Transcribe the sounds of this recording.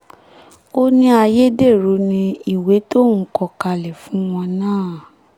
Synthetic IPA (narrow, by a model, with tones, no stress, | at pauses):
o˦nĩ˦a˧je˦de˦˨ɾo˨˧˦nĩ˧i˨we˨˦tõ˦˨˦kɔ˧ka˧lɛ˨fũ˨˦w̃ɔ̃˧nãː˦˨